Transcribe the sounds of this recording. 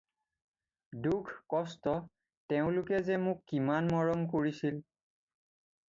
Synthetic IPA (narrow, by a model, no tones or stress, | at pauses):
dukʰkɔstɔ | teʊ̃lʊkɛzɛmʊkːimanmɔɹɔmkoɹisil